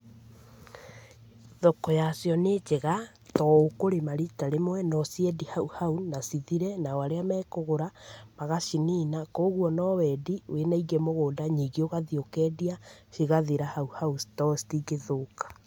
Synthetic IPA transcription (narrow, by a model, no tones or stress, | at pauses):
ðokɔjasjɔned͡ʒeɣa | tɔokoɾemaɾitaɾemwɛnɔsiɛdihauhaunasiðiɾɛnawaɾeamɛːkoɣoɾamaɣaʃiniːnakoːɣuɔnɔwɛdiwenaiɣɛmoɣoːdaɲiɡeoɣaðiokɛːdiaʃiɣaðeɾahauhaustɔstiɡeðoːkḁ